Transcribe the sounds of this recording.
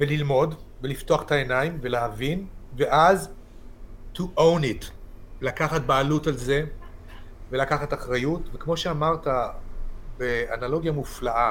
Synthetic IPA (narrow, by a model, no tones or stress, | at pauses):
velilmo̞dvelifto̞aχe̥taenaimveleɦavinveʔaz | tuʔownitlakaχat̚baːlutalze | ve̞lakaχataχʁajutvekmo̞ʃeamaʁta | beanalo̞ɡjamuflaʔa